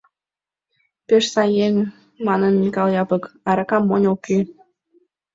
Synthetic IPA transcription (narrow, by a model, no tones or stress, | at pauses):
peʃsɑjeŋ | mɑnənmikɑlˠjɑpəkɑɾɑkɑmːonʲokːe